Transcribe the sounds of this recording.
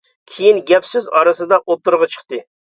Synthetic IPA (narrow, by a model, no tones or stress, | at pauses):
kʲʰejinɡʲɛpsyzɑɾɨsɨd̪ɑʔot̪ːuɾʁɑt͡ʃʰə̥χt̪ɨ